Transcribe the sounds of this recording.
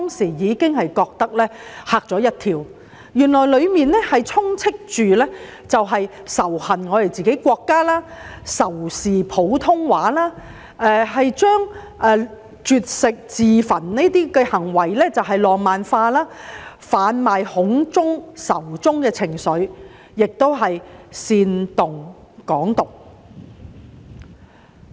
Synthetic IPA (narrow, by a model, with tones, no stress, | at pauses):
t̪ːŋsiː˨˩jiː˨˧kɪ˥ŋhɐ˨jkɔː˧k̚t̪ɐ˥k̚lɛː˥haː˧k̚t͡sɔː˨˥jɐ˥t̚t̪ʰiː˧w | jyː˨˩nlɔː˨˩jlɵ˨˧ɥmiː˨˧nɛ˥hɐ˨jt͡sʰʊ˥ŋt͡sʰɪ˥k̚t͡ʃyː˨lɛː˥ | t͡sɐ˨wɦɐ˨jsɐ˨˩whɐ˨˩nŋɔː˨˧ɾe˨˩jt͡siː˨ke˨˥jkʷɔː˧kːaː˥laː˥sɐ˨˩wsiː˨pʰo˨˥wt̪ʰʊ˥ŋwaː˨˥laː˥ | ʔɛ˧ɦɐ˨jt͡ʃœː˥ŋ | ʔɛ˨˧ | t͡ʃyː˨t̚sɪ˨k̚t͡siː˨fɐ˨˩nne˥t̪iː˥kɛ˧hɐ˨˩ŋwɐ˨˩jlɛː˥t͡sɐ˨wɦɐ˨jlɔː˨ŋmaː˨nfaː˧laː˥faː˨˥nmaː˨jhʊ˨˥ŋt͡sʊ˥ŋsɐ˨˩wt͡sʊ˥ŋkɛː˧t͡sʰɪ˨˩ŋsɵ˨˧˥ɥ | jɪ˨k̚t̪o˥wɦɐ˨jsiː˧nt̪ʊ˨ŋ | kɔː˨˥ŋt̪ʊ˨˩k̚